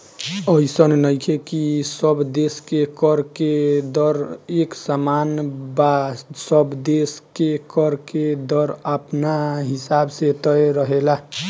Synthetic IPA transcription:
əisənnəjkʰekisəbd̪eskekəɾked̪ɔɾeksamanbasəbd̪eskekəɾked̪ɔɾapnaɦisabset̪əjɾəɦela

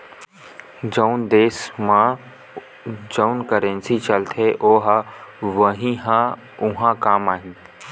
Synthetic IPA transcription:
d͡ʒəʊnd̪eːsmã | d͡ʒəʊnkəɾẽnsit͡ʃəlt̪ʰeʔoːɦʋəɦĩɦã | ʊɦãkaːmaːɦɪ̃n

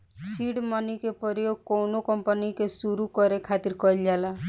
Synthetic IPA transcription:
sʰiɽmɔnikepɔɾijoɡ̚kɔwnokɔmpənikesuɾukɔɾekʰat̪iɾkɔld͡ʒala

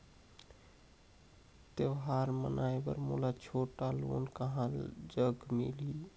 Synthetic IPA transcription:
t̪eʋɦaɾmə̰nʔajbə̰ɾmṵlat͡ʃʰoʈalo̰nkəɦãd͡ʒəɡmḭli

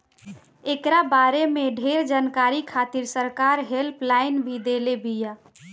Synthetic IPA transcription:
ekɾabaɾemeɖʱeɾd͡ʒaːnkaɾikʰat̪iɾsəɾkaɾɦelpʰlaɪnbʱid̪elebija

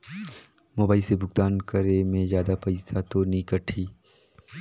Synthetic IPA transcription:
moːbaːisebʱʊɡt̪aːnkəɾemẽzjaːd̪apɐɪsat̪onĩkəʈʰiː

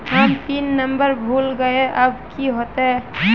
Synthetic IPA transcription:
ɦamt̪iːnːəmbəɾbʱuːlɡəeʔəbkiɦot̪eɦ

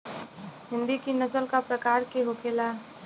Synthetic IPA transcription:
ɦɪ̃nd̪ikinəsəlkapɾəkaːɾkeɦokʰeːla

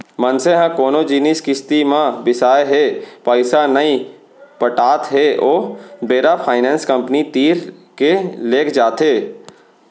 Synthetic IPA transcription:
mənseɦãkoːnod͡ʒiːnɪskɪst̪imãbɪsaːeɦɛpaːɪsanəi | pəʈaːt̪ɦɛʔoːbeːɾapʰaːɪnɛ̃ːnskə̃mpnit̪iːɾkeleːkʰd͡ʒaːt̪ɦeː

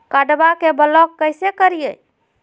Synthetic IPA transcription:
kaɖbakebəlɔkːəjsekəɾijɛ

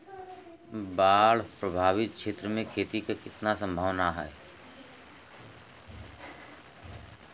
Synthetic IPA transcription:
baːɽpɾəbʱaːʋɪt̪̚ʃeːt̪ɾəmẽkʰeːt̪ikakɪt̪nasə̃mbʱəːʋnaɦɛː

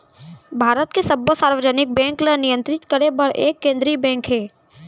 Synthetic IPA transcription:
bʱaːɾət̪kesɐbəsaːɾʋəd͡ʒənɪk̚bɛ̃ːŋklenɪjə̃nt̪ɾɪt̪kəɾebɐɾʔḛːkːẽːnd̪ɾibɛ̃ːŋkɦɛː

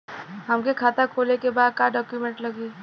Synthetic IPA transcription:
ɦɐmkekʰaːt̪akʰoːlekebaːd̪̚kaɖɔːkjumẽɳʈlɐɡiː

